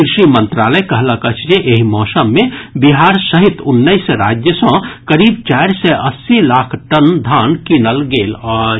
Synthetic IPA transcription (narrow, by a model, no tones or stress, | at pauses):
kɾɪʃimə̃nt̪ɾaːləkɐɦlakət͡ʃʰd͡ʒeʔeɦimɔːsəmːẽbiɦaːɾsəɦit̪ʊnːəisɾaːd͡ʒjəsə̃kɐɾiːbt͡ʃaɪɾsɛʔɐsːilaːkʰʈənd̪ʱaːnkinəlɡeːlɔ